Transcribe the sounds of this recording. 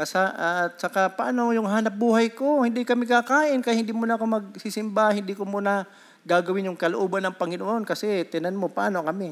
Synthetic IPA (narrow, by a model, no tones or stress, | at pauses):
kɐsaʔt̪̚t͡ʃɐkapɐʔaːnojʊŋɦaːnɐp̚buːhajkohɪnd̪ikɐmɪkakaːʔɪnkɐjhɪnd̪imunɐʔkomɐɡ̚sisɪmbahɪnd̪ikomuːnɐ | ɡaːɡɐwɪnjʊŋkɐloʔoːbɐnːɐŋpɐŋɪnoʔonkɐsɛt̪ɪnanmo̞pɐʔa̰ːnokɐmɛ